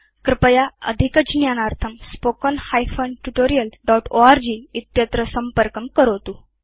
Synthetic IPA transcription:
kɾɪpəjaə̰d̪ʱikəd͡ʑinjanaɾt̪ʰəmspokɔnhajfonʈuʈoɾijəlɖɔʈoaɾd͡ʑiit̪jət̪ɾəsəmpəɾkəmkəɾot̪uː

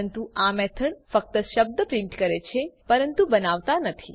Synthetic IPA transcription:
ənt̪uʔamɛt̪ʰəɳfək̚t̪əʃəb̚d̪əpɾɪ̃ɳʈkəɾet͡ʃʰepəɾənt̪ubənaʋt̪anət̪ʰḭ

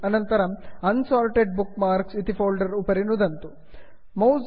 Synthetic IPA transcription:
ɐnɐnt̪ɐɾɐɐnsaːlʈeɖ̚bukmaːɾksit̪ifoːlɖɐɾupɐɾinud̪ɐnt̪u | mɐw

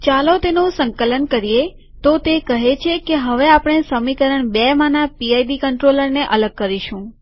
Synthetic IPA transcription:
t͡ʃalot̪enõsəŋkələnkəɾije | t̪ot̪ekəɦet͡ʃʰekeɦəʋeapəɳ̃esəmikəɾəɳbɛmãnapiajɖikəɳʈɾoləɾneʔələɡ̚kəɾiʃũ

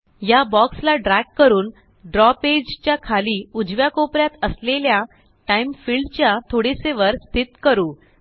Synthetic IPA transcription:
jabɔkslaɖɾækːəɾuːn | ɖɾɔped͡ʑt͡ɕjakʰaliːud͡zʋjakopɾjat̪əslelja | ʈaimfiɭɖt͡ɕjat̪ʰoɽiseʋəɾst̪ʰit̪kəɾuː

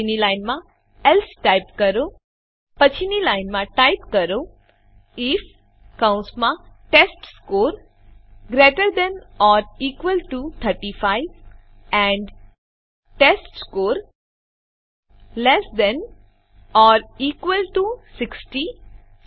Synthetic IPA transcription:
inilaɪnmã | ɛlsʈaɪpkəɾo | pət͡ʃʰinilaɪnmãʈaɪpkəɾo | ɪf | kãʊ̃nsmãʈesʈskoːɾ | ɡɾeːʈəɾd̪ɛ̃nɔːɾiːkʋəlʈut̪ʰəɾʈifaɪʋ | ɛ̃ɳɖ | ʈesʈskoːɾ | lɛsd̪ɛ̃n | ɔːɾiːkʋəlʈusɪksʈi

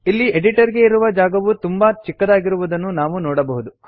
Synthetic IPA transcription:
ilːieɖiʈɐɾɡe̞iɾuʋɐd͡ʒaːɡɐʋut̪umbɐt͡ʃikːɐd̪aːɡiɾuʋud̪ɐnːunaːʋunoɔːɽɐbɐɦud̪u

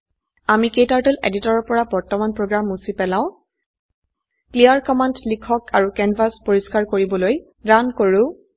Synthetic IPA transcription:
amikejtaɹtulḛditɔɹɔɹpɔɹabɔɹtɔmanpɹoɡɹamusipɛlaʊ̃ | klijaɹkɔmandlikʰɔkʰaɹukɛnvʱaspoɹiskaɹkoɹibɔloj | dankoɹʊ̃

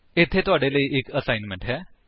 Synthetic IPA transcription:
et̪ʰet̪oaɽeleʔekəsajnmeɳʈɦɛ

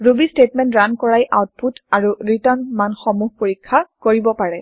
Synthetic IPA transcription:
ɹubistetmɛntɹankɔɹajʔawt̚putaɹuɹitɔnmanxɔmuɦpoɹikʰːakoɹibɔpaɹɛ

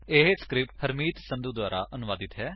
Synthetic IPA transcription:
eɦskɾɪp̚ʈhəɾmiːt̪sə̃nd̪uk̚d̪waːɾa̰ːʔənʊʋaːd̪ɪt̪ɦɛː

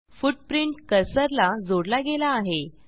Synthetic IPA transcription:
fuʈ̚pɾiɳʈkəɾsəɾlad͡zoɽlaɡelaːɦe

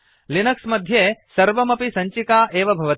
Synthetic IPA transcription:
linɐksmɐd̪ʱjeːsɐɾʋɐmɐpisɐɲt͡ʃikaːʔeːʋɐbʱɐʋɐt̪

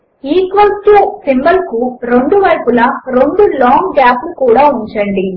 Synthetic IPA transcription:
iːkʋɐlsʈusimbɐlkuɾe̞ɳɖuʋɐɾpulɐɾoɳɖulaːŋɡɡaːplukuːɽaːuɲt͡ʃɐɳɖi

